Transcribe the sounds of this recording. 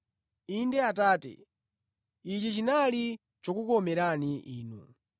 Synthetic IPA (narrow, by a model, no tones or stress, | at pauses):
indɛat̬aːtɛ̰ | it͡ʃit͡ʃinali | t͡ʃɔkukɔmɛɾaniʔiːnṵ